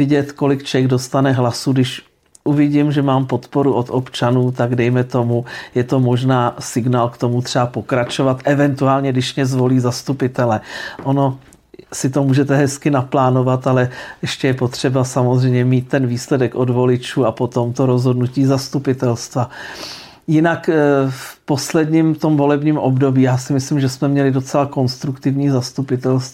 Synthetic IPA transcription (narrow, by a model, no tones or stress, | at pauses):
ɪɟɛt̪ko̞lɪkt͡ʃɛɡdo̞st̪anɛɦlasuɡdɪʃ | ʔuvɪɟimʒɛmaːmpo̞t̪po̞ɾuʔot̪opt͡ʃanuːt̪aɡdɛjmɛt̪o̞mujɛt̪o̞mo̞ʒnaːsɪɡnaːlkt̪o̞mut̪r̥ɛapo̞kɾat͡ʃo̞vat̪ʔɛvɛnt̪uaːlɲɛɡdɪʃmɲɛzvo̞liːzast̪upɪt̪ɛlɛʔono̞ | sɪt̪o̞muːʒɛt̪ɛɦɛskɪnaplaːno̞vat̪alɛjʔɛʃcɛjɛpo̞t̪r̝̥ɛbasamozr̝ɛjmɲɛmiːt̪̚ːɛnviːslɛdɛkʔodvo̞lɪt͡ʃuːapo̞t̪o̞mt̪o̞ɾo̞zɦo̞dnuciːzast̪upɪt̪ɛlst̪va | jɪnakfpo̞slɛdɲiːmt̪o̞mvo̞lɛbɲiːmʔobdo̞biːjaːsɪmɪslɪmʒɛsmɛmɲɛlɪdo̞t͡sɛlako̞nst̪ɾukt̪ɪvɲiːzast̪upɪt̪ɛlst̪